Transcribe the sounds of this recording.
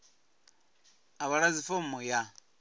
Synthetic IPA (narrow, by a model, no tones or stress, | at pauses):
aβaɺad͡zifomɔja